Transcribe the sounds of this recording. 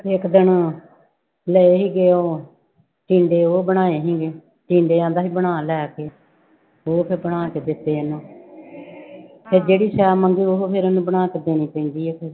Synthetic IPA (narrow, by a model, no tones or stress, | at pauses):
ɪkd̪ɪn | ləeːɦiːɡeːoː | ʈĩːɳɖeːoːbəɽ̃aːeːɦĩːɡeː | ʈĩːɳɖeːãːnd̪aːɦiːbəɽ̃aːlɛːkeː | oːpʰɪɾbəɽaːkeːd̪ɪt̪ːeːənũː | pʰeɾd͡ʒeːɽiːsɛːməŋɡiːʊɦopʰɪɾənũːbəɽ̃aːkɪd̪eːnĩːpɛ̃ːĩːnd̪iːeːpʰeɾ